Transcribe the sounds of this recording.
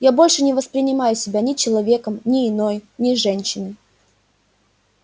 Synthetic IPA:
jabo̞lʲʂɨnʲɪvəspɾʲɪnʲɪmajʊsʲɪbʲanʲɪt͡ɕɪlˠɐvʲe̞kəmnʲɪːno̞jnʲɪʐɛnʲɕːɪnɨ

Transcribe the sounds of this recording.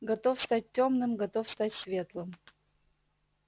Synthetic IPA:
ɡɐt̪ofst̪at̚ːʲomnɨmɡɐt̪ofst̪atʲsvʲe̞t̪lˠɨm

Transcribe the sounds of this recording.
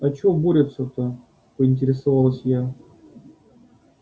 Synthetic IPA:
ɐt͡ɕoboɾʲɪt̪sət̪ə | pəɪnʲtʲɪɾʲɪsɐvalˠəsʲja

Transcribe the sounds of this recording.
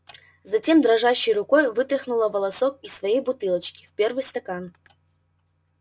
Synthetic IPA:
zɐtʲe̞md̪ɾɐʐaɕːɪjrʊko̞jvɨt̪ɾʲɪxnʊlˠəvəlˠɐsok̚isːvɐjejbʊt̪ɨlˠət͡ɕkʲɪ̥fpʲervɨjst̪ɐkan

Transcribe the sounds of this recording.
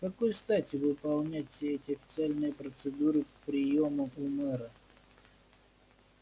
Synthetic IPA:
kɐkojst̪atʲɪvɨpɐlˠnʲætʲsʲɛtʲɪɐfʲɪt̪sɨalʲnɨjəpɾət̪sɨd̪uɾɨppɾʲɪjo̞məmumɛɾə

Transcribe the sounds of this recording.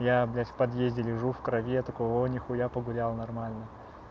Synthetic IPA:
jablʲapɐd̪jezʲdʲɪlʲɪʐufkɾɐvʲet̪ɐkojonʲɪxʊjapəɡʊlʲalˠnɐrmalʲnə

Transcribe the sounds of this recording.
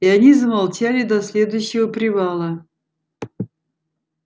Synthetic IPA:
ianʲizəmalˠt͡ɕalʲɪd̪ɐsʲlʲe̞d̪ʊjɕːɪvəpɾʲɪvalˠə

